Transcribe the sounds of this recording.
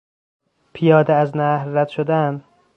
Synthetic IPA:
pʰijɒːd̪eæznæhɾːæd̪̥ʃod̪æn

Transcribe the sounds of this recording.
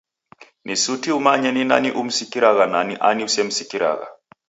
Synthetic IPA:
nʔisutiumaɲɛnina̰niʔum̩sikiɾaɣananiʔaniusɛm̩sikiɾa̰ɣa̰

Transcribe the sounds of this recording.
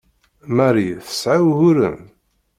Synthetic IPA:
maɾiθə̥sʕawhʊɾə̰m

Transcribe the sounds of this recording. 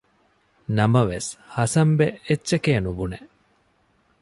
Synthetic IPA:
nɐmɐʋeshɐsɐmbeetːʃekeːnubuneʔ

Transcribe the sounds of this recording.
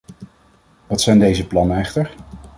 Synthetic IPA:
ʋɑtsɛjndejzəplɑnəɛχtəɹ

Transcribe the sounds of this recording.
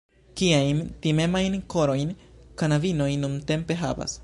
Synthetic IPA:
kiajntime̞majnko̞ɾo̞jnkanavino̞jnːunte̞mpe̞ɦa̰va̰s

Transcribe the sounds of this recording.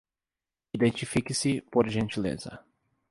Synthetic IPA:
id̪ẽnt͡ʃifikɪsɪpoɾʒẽnt͡ʃilḛzɐ̰

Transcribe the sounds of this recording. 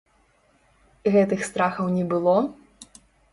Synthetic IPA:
ɣɛt̪ɨxst̪ɾaxɐwnʲɛbɨlˠɔ

